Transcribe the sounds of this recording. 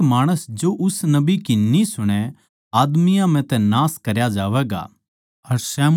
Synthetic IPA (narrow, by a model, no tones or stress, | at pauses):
maːɽ̃əsd͡ʒoʔʊsnɐbikinːisʊɽ̃ɛ | aːd̪mɪjãm̤ɛ̃t̪ɛ̃naːskɐɾjad͡ʒaːʋɛːɡa̰ | ɐɾsɛːm